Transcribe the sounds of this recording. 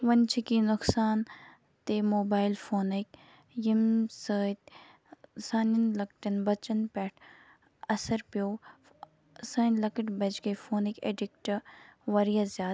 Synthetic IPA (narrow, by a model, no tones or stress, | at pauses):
ʋɐnt͡ʃʰikinʊksaːn | t̪emoːbaːjlfoːnik | jimsəːt̪ | saːninlɐkʈɐnbɐt͡ʃɐnpɛːʈʰ | ɐsɐɾpjoː | sɐːnlɐkəʈbɐd͡ʒkɐjfoːnikḛɖikʈɐʋɐɾijazjaː